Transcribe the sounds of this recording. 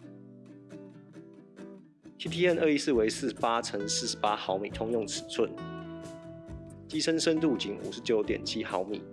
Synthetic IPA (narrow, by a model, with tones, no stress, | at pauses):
t̪ʰi˥t̪ʰi˥ɛ˥˨nə˥˩i˦˥sɹ̩˥˩we˧˥ɪsɹ̩˥˩ʂ̩˨˥pa˦˥t͡sʰə˧˥ŋs̩˥˩ʂɻ̩˧˦pa˦xɑ˧˦ʊmḭ˨˩t̪ʰʊ˥ŋjʊ˥˩ŋt͡sʰɹ̩˨˩t͡sʰwə˥˩n | t͡ɕi˥ʂə˥nʂə˥nt̪u˥˩t͡ɕi˧˥ŋṵ˨˩ʂɻ̩˨˦t͡ɕjo˨˧˦ʊt̪jɛ̰˨˩nt͡ɕʰi˦˥xɑ˧˦ʊmḭ˨˩˦